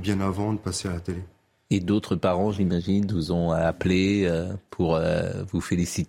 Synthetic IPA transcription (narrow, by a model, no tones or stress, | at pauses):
bjɛ̃navɑ̃d̪əpasealat̪ele | ed̪ot̪χəpaʁɑ̃ʒimaʒinvuzɔ̃apleøpʰuʁø̰vufelisit̪